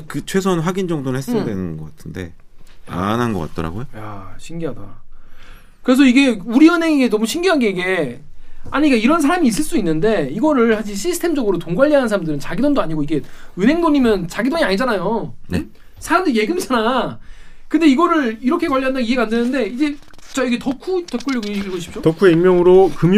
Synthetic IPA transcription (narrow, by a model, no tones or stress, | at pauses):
kɯt͡ɕʰwe̞s̬ʰʌnɸwaɡind͡ʑʌŋdoɾɯɭhes͈dwe̞nɯnɡʌk͈atʰɯnde̞̰ | a̰nɦanɡʌk͈a̰t̚t͈ʌɾa̰ɡojoja̰ɕʰimɡiɦada̰ | kɯɾe̞s̬ʰʌiɡe̞uɾiɯnɦe̞ŋeɡe̞nʌmuɕʰimɡiɦanɡeiɡe̞ | aɲik͈aiɾʌnsʰaɾamiːs͈ɯɭs͈uinːɯnde̞iɡʌɾɯɭhad͡ʑiɕ̬ʰisʰɯ̥tʰe̞md͡ʑʌɡɯɾotoŋɡwaʎːiɦanɯns̬ʰaɾamdɯɾɯnt͡ɕaɡidondoaɲiɡoiɡe̞ɯnɦe̞ŋdoɲimjʌnt͡ɕaɡidoɲiaɲid͡ʑanajone | sʰaɾamdɯɾje̞ɡɯmd͡ʑana | kɯnde̞iɡʌɾɯɭiɾʌkʰe̞kwaʎːiɦandaiɦeɡaːndenɯnde̞id͡ʑe̞t͡ɕ͈ajoɡetʌkʰutʌp̚k͈uɭːoiɭɡoɕʰip̚t͡ɕ͈otʌkʰueimːjʌŋɯɾokɯm